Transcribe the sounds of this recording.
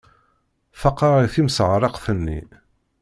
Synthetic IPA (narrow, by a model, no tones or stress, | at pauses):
fɑqːɑʁiθimsʁɾˤɑqθənːḭ